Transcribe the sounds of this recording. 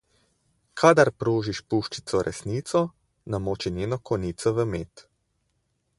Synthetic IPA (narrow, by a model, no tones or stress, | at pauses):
kʰad̪aɾpɾoːʒiʃpuʃt͡ʃi̥t̪sɔɾʔɛ̰sniːt̪sɔ | namoːt͡ʃinʲjeːnɔkʰɔniːt̪sɔʋəmeːt̪